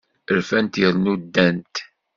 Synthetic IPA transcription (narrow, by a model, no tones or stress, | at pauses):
əɾfænt̪jəlnud̪ːænt̪